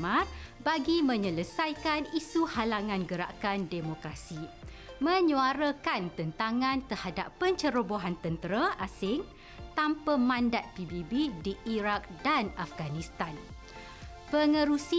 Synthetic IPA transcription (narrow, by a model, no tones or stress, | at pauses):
mabaɡimə̃ɲələsajkanisuhalaŋãnɡəɾa̰kandemokɾasi | mə̃ɲũaɾəkant̪ənt̪aŋãnt̪ərhadapːəɲt͡ʃəɾoboɦant̪ənt̪əɾaʔasɪŋ | t̪ampəmãndat̪̚pibibidiʔːɾak̚danafɡanĩst̪an | pəŋə̃ɾusi